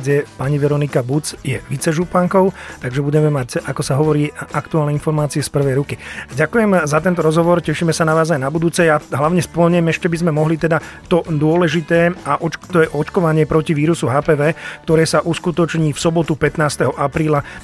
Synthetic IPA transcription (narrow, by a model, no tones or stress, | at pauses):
ɟɛpaɲiʋɛɾɔnikabut͡sjɛʋit͡sɛʒupaŋkɔʊt̪aɡʒɛbuɟɛmɛmacakɔsaɦɔʋɔɾiːakt̪uaːlnɛinfɔɾmaːt͡siɛspr̩ʋɛjɾukiɟakujɛmzat̪ɛnt̪ɔɾɔzɦɔʋɔɾcɛʃiːmɛsanaʋaːzajnabud̪uːt͡sɛjaɦlaʊɲɛspl̩ɲɛmɛʃcɛbizmɛmɔɦlit̪ɛd̪at̪ɔd̪ʊɔlɛʒit̪ɛːaʔɔt͡ʃt̪ɔjɛʔɔt͡ʃkɔʋaɲɪɛpɾɔciʋiːɾusuɦaːpɛːʋɛːkt̪ɔɾɛːsaʔuskut̪ɔt͡ʃɲiːfsɔbɔt̪upɛt̪naːst̪ɛɦɔʔapɾiːla